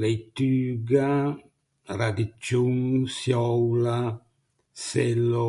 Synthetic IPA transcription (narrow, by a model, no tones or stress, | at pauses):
lejt̪yːɡa | ɾad̪it͡ʃːuŋsjɔwla | sɛlːo